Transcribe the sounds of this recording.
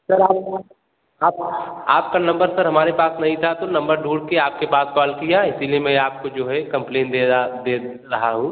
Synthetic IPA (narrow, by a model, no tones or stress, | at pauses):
sɐɾaːp | aːpaːp̚kanɐ̃mbəɾsəɾɦɐmaːɾepaːsnɐɦĩt̪ʰat̪onɐ̃mbəɾɖʱuːɽkeaːp̚kepaːskɔːlkijaɪsiliemɛ̃aːp̚kod͡ʒoːɦɛkɐ̃mplẽːnd̪ed̪eː | ɾɐɦaɦũː